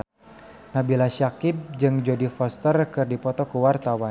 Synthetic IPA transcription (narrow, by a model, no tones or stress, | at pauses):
nabilaʃakɪp̚d͡ʒɨŋd͡ʒodifɔst̪ərkɨrdipɔt̪ɔkəwart̪awan